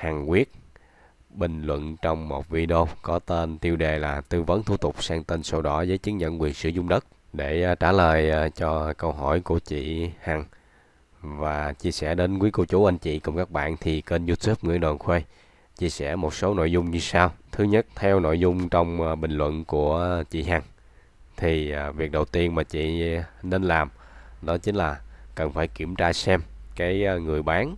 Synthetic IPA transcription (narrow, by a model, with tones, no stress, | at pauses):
haː˨˩ŋkwi˦˥ət̚ | ɓï˨˩ŋ̟lwə̰˧˨nt͡ɕɔ˧wŋ͡mmo˨˩t̚vi˧ɗə˧wkɔ˨˦t̪e˧nt̪i˧əwɗe˨˩laː˨˩t̪ɨ˧və˨˦nt̪ʰu˧˩t̪ʊ˨˩k͡p̚saː˧ŋt̪e˧nsə˧wɗɔ˨˦zəː˨˦jt͡ɕɨ˨˦ŋɲə̰˧˨nkwi˨˩ənsɨ̰˧˩əzʊ˧ŋ͡mɗə˦˥t̚ɗe˧˩˧t͡ɕaː˧˩ləː˨˩jt͡ɕɔ˧kə˧wɦɔ˧˩jku˧˩ət͡ɕḭ˧˨ha˨˩ŋ | vaː˨˩t͡ɕi˧əsɛ̰˧˩ɗe˨˦nkwi˨˦ku˧˩t͡ɕu˧˦ʔa˧jŋ̟t͡ɕḭ˧˨kʊ˧ŋ͡mkaː˦˥k̚ɓa̰ː˧˨nt̪ʰi˨˩ke˧nzu˧t̪ʰu˦˥p̚ŋɨ̰˧˩ənɗɔ˨˩nxwe˧ | t͡ɕi˧əsɛ̰˧˩mo˨˩t̚so˨˦no̰˧˨jzʊ˧ŋ͡mɲɨ˧saː˧wt̪ʰɨ˨˦ɲə˦˥t̚t̪ʰɛ˧wno̰˧˨jzʊ˧ŋ͡mt͡ɕɔ˧wŋ͡mɓï˨˩ŋ̟lwə̰˧˨nku˧˩ət͡ɕḭ˧˨ɦa˨˩ŋ | t̪ʰi˨˩vi˨˩k̚ɗə˨˩wt̪i˧ənmaː˨˩t͡ɕḭ˧˨ne˧nlaː˨˩m | nɔ˨˦t͡ɕï˨˦ŋ̟laː˨˩kə˨˩nfaː˧˩jki˧˩əmt͡ɕaː˧sɛ˧mkaː˨˦jŋɨ˨˩əjɓaː˨˦n